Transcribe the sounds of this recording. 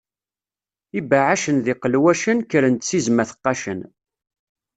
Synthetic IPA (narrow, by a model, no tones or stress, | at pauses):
ibaʕaʃənðiqəlwæʃənkəɾənt̪sizmæθə̥qːɑʃən